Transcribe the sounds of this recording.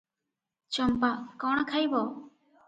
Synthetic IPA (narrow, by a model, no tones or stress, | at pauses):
t͡ʃɔmpaʔkɔɽ̃kʰajbɔ